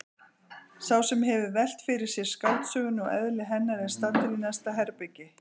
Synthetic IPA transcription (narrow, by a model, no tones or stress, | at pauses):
sawsɛmɦɛvʏvɛl̥t̪fɪɾɪɾ̥sjɛɾ̥skaːwt̪sœːɣʏnːʏɔɣɛ̰ðlɪɦɛnːaɾɛðst̪at̪ɪlinast̪aɦɛɾpɪcɪ